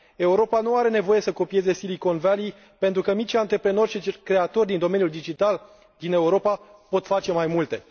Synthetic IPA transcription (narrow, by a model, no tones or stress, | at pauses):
e̞uɾo̞panuaɾe̞ne̞vo̞je̞səko̞pije̞ze̞siliko̞nvali | pent̪ɾukəmit͡ʃʲant̪ɾe̞pɾe̞no̞rʲʃit͡ʃkɾe̞at̪o̞rd̪ind̪o̞me̞njuld̪id͡ʒit̪al | d̪ine̞uɾo̞papo̞t̪fat͡ʃe̞majmult̪e̞